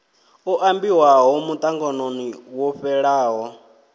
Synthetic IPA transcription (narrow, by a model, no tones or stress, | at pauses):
ɔʔambiwaɦɔmut̪ʼaŋɡɔnoniwɔɸɛɺaːɦɔ